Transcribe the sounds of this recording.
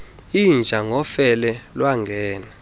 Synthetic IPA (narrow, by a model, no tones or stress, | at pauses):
ind͡ʒʱaŋɡʱɔfɛlɛlwaŋɡʱɛːna